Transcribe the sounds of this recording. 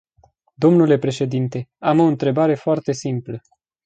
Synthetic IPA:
d̪o̞mnule̞pɾe̞ʃe̞d̪int̪e̞amo̞ɨnt̪ɾe̞baɾe̞foart̪e̞simplə

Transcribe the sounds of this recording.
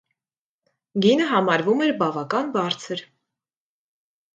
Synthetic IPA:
ɡinəɦɑmɑɾvumɛɾbɑvɑkɑnbɑɾt͡sʰəɾ

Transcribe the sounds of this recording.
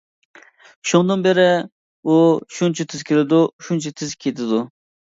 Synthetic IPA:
ʃuŋd̪ɑnbɪɾɪ | uʃunt͡ʃʰɐt̪ʰɪz̥kʲʰelɪd̪uʃunt͡ʃʰat̪ʰɪzkʲʰet̪ʰɪd̪u

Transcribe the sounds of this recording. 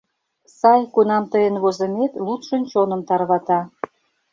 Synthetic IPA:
sɑjkunɑmt̪əjənβozə̆met̪lut̪ʃə̆nt͡ɕonə̆mt̪ɑrβɑt̪ɑ

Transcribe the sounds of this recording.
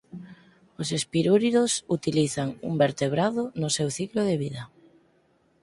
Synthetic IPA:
osespiɾuɾiðosut̪iliθaŋṵmbeɾt̪eβ̞ɾaðonʊsewθikloðeβiða

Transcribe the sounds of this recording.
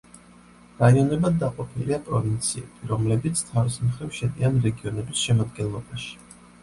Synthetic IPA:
ɾaiɔnɛbad̪̚ːaqʼɔpʰiliapʼɾɔvint̪sʰiɛbʰiɾɔmlɛbit̪sʰt̪ʰaɾismχɾɛvʃɛd̪ianɾɛɡiɔnɛbisʃɛmad̪̚ɡɛnlˠɔbaʃi̥

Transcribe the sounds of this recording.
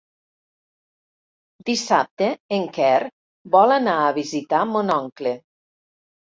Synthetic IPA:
d̪isap̚t̪eeŋkɛr | bɔlanaːβizit̪amonɔŋkle

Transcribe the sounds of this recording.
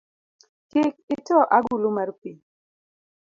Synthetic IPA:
kɪk̚ɪtɔʔaɡulumarpi

